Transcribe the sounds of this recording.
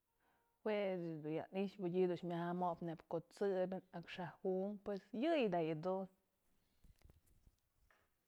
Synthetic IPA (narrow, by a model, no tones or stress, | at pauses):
wed̪uja̰niʃbɨɟʲid̪ut͡ʃmʲahamoʔpnebkot͡sɨbʲinakʂahuʔmpwesjɨjd̪ajɨd̪un